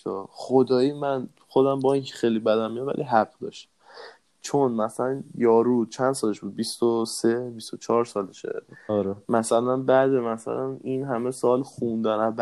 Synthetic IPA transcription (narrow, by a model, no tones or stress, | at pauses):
ɒχod̪ɒːiːmæn | xod̪æmbɒiŋcʰe̥xejlibæd̪æmːijɑmvæ̰lʔḭɦæɡd̪ɒ̰ːʃt̪æ̥ | t͡ʃʰonmæsælænjɒːɾuːt͡ʃʰænd̪sɒːleʃbuːd̪̚bist̪osebist̪ot͡ʃʰɒːɾsɒːld̪ʃḛɔɾemæsælænbæd̪emæsæ̰læninɦæme̞sɒːlxund̪ænæb